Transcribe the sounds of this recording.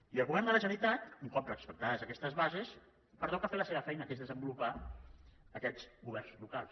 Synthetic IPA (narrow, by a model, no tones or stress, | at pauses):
iəlˠɣuβɛrnd̪ələʒənit̪at̪uŋkɔmp̪ɾəːkspək̚t̪aðəzəkɛst̪əzβazes | pəɾt̪ɔkəfeləseβəfɛjnəkezðəzəmbulupa | əkɛzɣuβɛrnzlukalˠs